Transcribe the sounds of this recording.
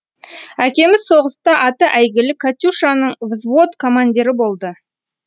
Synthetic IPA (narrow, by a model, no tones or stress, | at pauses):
ækʲe̞mɪzso̞ʁəst̪ɑʔɑt̪əʔæjɡʲɪlɪkʰat̪ʲuʃanəɴvɪzvot̪kʰo̞mand̪ʲiɾɪbo̞lˠd̪ə